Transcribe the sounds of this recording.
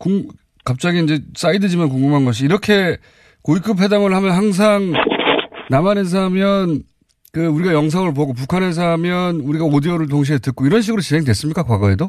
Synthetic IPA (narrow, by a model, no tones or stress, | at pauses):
kuŋ | kap̚t͡ɕ͈aɡiːnd͡ʑes͈aidɯd͡ʑimankoŋɡumɦanɡʌɕ̬ʰiːɾʌkʰe̞ | koikʰɯpʰɦe̞daŋɯɭhamjʌnɦaŋs̬ʰaŋ | namanɯns̬ʰamjʌn | kɯuɾiɡajʌŋs̬ʰaŋɯɭp̬oɡop̬ukʰanes̬ʰamjʌnuɾiɡaodiʌɾɯɭt̬oŋɕ̬ʰietɯk̚k͈oiɾʌnɕ̬ʰiɡɯɾot͡ɕinɦe̞ŋdwe̞s͈ɯmɲik͈akwaɡʌɦedo